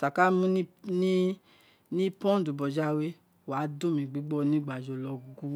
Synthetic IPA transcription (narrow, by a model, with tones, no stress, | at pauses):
sa˨ka˨˦mũ˦nĩ˦ | nĩ˦pɔ̃˦du˨bɔ˨d͡ʒa˧˦we˦ | wa˨˦do˦˨mĩ˨ɡ͡bi˨˦ɡ͡bɔ˦˨˦nĩ˦ɡ͡ba˨d͡ʒɔ˧lɔ˧˦u˦ɡu˦